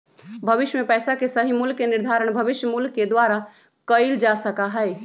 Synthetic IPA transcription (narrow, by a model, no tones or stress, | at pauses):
bʱəʋɪʃjəmẽpɛːsakesəɦimulkːenɪɾd̪ʱaːɾəɽ̃bʱəʋɪʃjəmulkːed̪waɾa | kəɪld͡ʒasəkaɦɛɪ